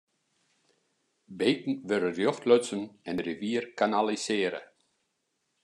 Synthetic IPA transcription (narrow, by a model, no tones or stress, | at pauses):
beːtn̩ʋøɾərjoxtløtsənɛnriʋiːərkanalisɪəɾə̰